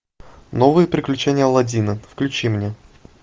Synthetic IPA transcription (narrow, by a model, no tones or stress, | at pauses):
novɨjəpɾʲɪklʲʉt͡ɕenʲɪjəlˠɐdʲinəfklʲʉt͡ɕimnʲe